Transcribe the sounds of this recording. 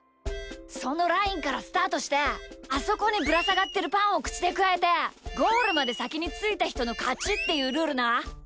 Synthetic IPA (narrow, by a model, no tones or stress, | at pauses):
so̞no̞ɾaĩŋkaɾasɨ̥t̪aːt̪o̞ɕi̥t̪e̞aso̞ko̞ɲ̟ibɯ̟ɾasaɡat̪ːe̞ɾɯ̟pãɰ̃o̞kɯ̟̥t͡ɕi̥d̪e̞kɯ̟aet̪e̞ɡo̞ːɾɯ̟mad̪e̞sakʲiɲ̟it͡sɨit̪açi̥t̪o̞no̞kat͡ɕit̪ːe̞jɯ̟ːɾɯ̟ːɾɯ̟na